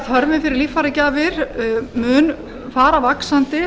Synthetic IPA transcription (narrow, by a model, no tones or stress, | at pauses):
ðhœɾmɪfɪɾɪɾliːfaɾacaːvɪɾ̥mʏːn | faːɾavaksant̪ɪ